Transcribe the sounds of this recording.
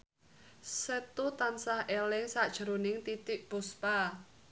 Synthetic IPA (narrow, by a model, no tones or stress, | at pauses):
sɛt̪ut̪ansahʔelɪŋsaʔd̥ʒ̥ə̤ɾonɪŋt̪it̪ɪʔb̥uspa